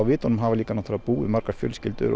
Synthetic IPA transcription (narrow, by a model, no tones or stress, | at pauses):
awvɪːt̪ɔnʏmɦaːvaliːkanaθʰɾapuːɪmaɾkḁfjœ̰lscɪlt̪ʏ̰ɾ